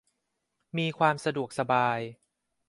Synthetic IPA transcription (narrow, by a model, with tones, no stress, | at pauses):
miː˧kʰwaː˧msa˧du˨˩ək̚sa˧baː˧j